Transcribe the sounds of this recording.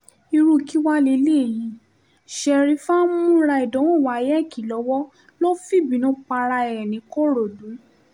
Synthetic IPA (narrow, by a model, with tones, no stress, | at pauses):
i˧ɾu˦˨ki˦wa˦le˧˦le˦˨jĩ˨˧˦ | ʃɛ˧ɾi˧˦fa˦mũ˦ɾa˧i˨dɔ̃˨˦wɔ̃˦˨wa˨˦˧jɛ˦˨ki˨lɔ˨˧˦wɔ˦ | lo˦fi˦˨bĩ˨˦nũ˨˦k͡pa˧ɾa˧ɛ˨ɛ˨nĩ˨˦ko˦˨ɾo˨dũ˨˦